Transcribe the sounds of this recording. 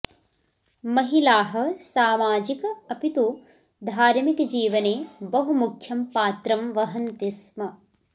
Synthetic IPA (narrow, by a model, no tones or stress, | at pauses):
mɐɦilaːɦɐ̆saːmaːd͡ʒikɐɐpit̪u | d̪ʱaːɾmikd͡ʒiːʋɐneːbɐɦumukʰjɐmpaːt̪ɾɐmʋɐɦɐnt̪ismɐ